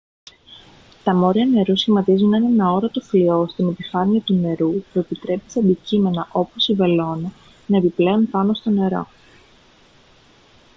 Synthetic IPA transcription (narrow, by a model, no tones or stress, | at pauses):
t̪ɐmo̞ɾiɐne̞ɾusimɐt̪izunɐne̞nɐo̞ɾɐt̪oflio̞st̪ine̞pifɐniɐt̪une̞ɾupue̞pit̪ɾe̞pisɐd̪icime̞nɐʔo̞po̞sive̞lo̞nɐ | nɐepiple̞onpɐno̞st̪o̞ne̞ɾo̞̰